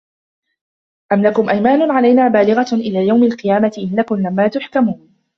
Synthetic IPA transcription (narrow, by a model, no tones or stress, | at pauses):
ʔamlakʊmʔajmaːnʊʕalajnaːbaːlɪɣaʔɪlaːjawmalqɨjaːmat̪ɪʔɪnːakʊmlamːaːt̪ʊħkamuːn